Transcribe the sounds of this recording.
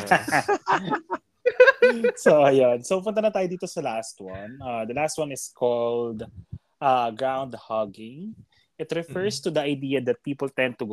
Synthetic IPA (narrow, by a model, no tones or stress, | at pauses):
soʔɐjonsoppʊnt̪̬ɐnɐt̪aːjod̪iːt̪osɐlast̪wɐ̃nʔɐd̪ɐlast̪̚wɐnɪskʰold̪ | ʔaɡɹãwnd̪hɐɡɪ̃ŋ | ʔɪt̪ɾɛfɛɹst̪ud̪ɐɐjd̪iːɐd̪ɐt̪̚piːpɔlt̪ɛ̃nd̪̚t̪ʊɡ